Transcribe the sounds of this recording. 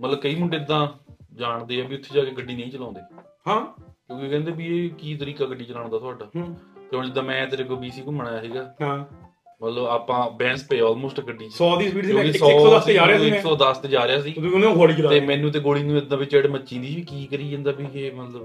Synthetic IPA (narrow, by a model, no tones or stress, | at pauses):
mət̪ləbkəiːmʊɳɖeːɪd̪ːãːd͡ʒaːɳd̪eːɛːbiːʊt̪ʰːeːd͡ʒaːkeːɡəɖːiːnə̃ĩːt͡ʃəlãːnd̪eːhãːkjõːkikɛ̃ːnd̪eːbiːeːkiːt̪əɾiːkaːɡəɖːiːt͡ʃəlaːɳd̪aːt̪ʊaːɖaːt̪eõːd͡ʒɪd̪ːãːmɛ̃ːt̪ːɪkoːbiːsiːkoməɽaːjaːsiːɡaːɦãː | mət̪ləbaːpãːbɛ̃ːnspeːɔːlmoːsʈɡəɖiːsɔːd̪iːspiːʈsjõkisɔːəsd͡ʒaːɾaɪksɔːd̪əst̪eːd͡ʒaːɾɪjaːsĩːnẽɡoːɽiːt͡ʃəlat̪eːmɛ̃ːnũːt̪̬eːɡoːɽiːnũːɪd̪ãːbɪt͡ʃeːɽməːʃĩːd̪iːʋiːkiːkəɾiːd͡ʒə̃ːnd̪aːbiːeːmət̪ləb